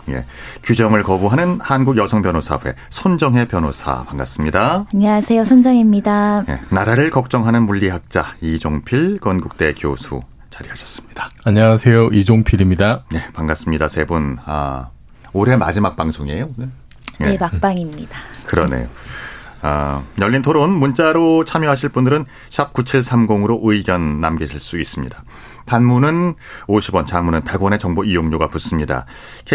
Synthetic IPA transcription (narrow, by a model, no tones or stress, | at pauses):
je̞̰ | kjud͡ʑʌŋɯɭkʌbuɦanɯnhanɡuɡjʌsʰʌŋpjʌnosʰa̰ɸwe̞̰sʰond͡ʑʌŋɦe̞pjʌnosʰa̰paŋɡas͈ɯmɲidaaɲʌwasʰe̞josʰond͡ʑʌŋimɲidaje̞̰naɾaɾɯɭkʌk̚t͡ɕ͈ʌŋɦanɯnmuʎːiɦak̚t͡ɕ͈aid͡ʑoŋpʰiɭkʌnɡuk̚t͈e̞kjosʰṵ | t͡ɕaɾihaɕʰʌs͈ɯ̥mɲid̥ḁaɲawasʰe̞joid͡ʑoŋpʰiɾimɲidane̞paŋɡas͈ɯmɲidasʰe̞buna̰ | oɾe̞ma̰d͡ʑimak̚p͈aŋsʰoŋe̞jone | jeepak̚p͈aŋimɲid̥akɯɾʌnḛjo | a̰ɲʌɭʎːintʰoɾonmunt͡ɕ͈aɾot͡ɕʰamjʌɦaɕʰiɭp͈undɯɾɯn | ɕʰap̚k͈ut͡ɕʰiɭsʰamɡoŋɯɾoʔɯiɡjʌnːamɡeɕʰiɭs͈uis͈ɯmɲḭda | tanmunɯnoɕʰibʌnt͡ɕaŋmunɯnpe̞ɡwʌne̞t͡ɕʌŋboijoŋɲoɡapus͈ɯmɲida̰ | kʰe